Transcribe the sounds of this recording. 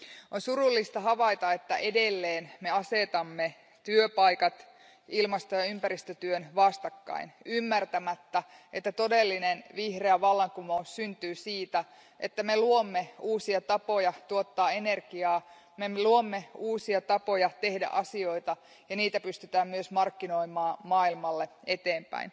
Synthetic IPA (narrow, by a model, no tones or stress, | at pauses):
onsurulːist̪ɑɦɑʋɑit̪ɑet̪ːæ̰ʔe̞delːeːnme̞ɑse̞t̪ɑmːe | t̪yøpɑjkɑt̪ | ilmɑst̪ojɑympæɾist̪øt̪yønʋɑst̪ɑkːɑ̰inymːært̪æmæt̪ːæʔet̪ːæt̪o̞delːinenʋihreæʋɑlːɑŋkumoussynt̪yːsiːt̪æ | ʔet̪ːæmeluomːeuːsiɑt̪ɑpojɑt̪uot̪ːɑːene̞rɡiɑː | meluomːeuːsiɑt̪ɑpojɑt̪ehdæ̰ʔɑsio̞it̪ɑ | jɑniːt̪æpyst̪yt̪æːmmyøsmɑrkːino̞imɑːmɑːilmɑlːeet̪eːmpæ̰in